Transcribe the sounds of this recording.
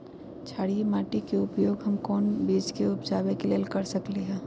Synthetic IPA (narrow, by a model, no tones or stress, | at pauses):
t͡ʃʰaːɽiemaːʈikeʊpjoːɡɦɐmkɔːnbiːd͡ʒkeʊpd͡ʒaːbekeleːlkɐɾsɐkliɦɛː